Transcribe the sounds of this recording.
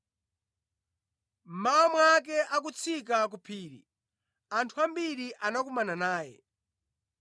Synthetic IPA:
m̩maɔmwak̬ɛʔak̬ut͡sʰik̬ak̬upʰiːɾḭ | antʰuambiɾiʔanakumananaːjɛ̰

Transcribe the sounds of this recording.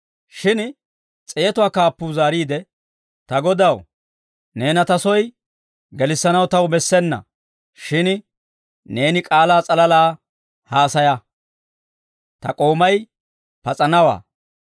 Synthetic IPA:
ʃɪn | t͡sʼɛjɛt̪ʊwaːkaːpːuːzaːɾiːd̪ɛ | t̪ɐɡɔd̪ɐw | ne̞ːnɐt̪ɐsɔj | ɡɛlɪsːɐnɐwt̪ɐwbɛsːɛnːɐ̰ | ʃɪn | ne̞ːnɪkʼaːlaːt͡sʼɐlɐlaː | haːsɐjɐ | t̪ɐ̰kʼoːmɐj | pɐt͡sʼɐnɐwa̰ː

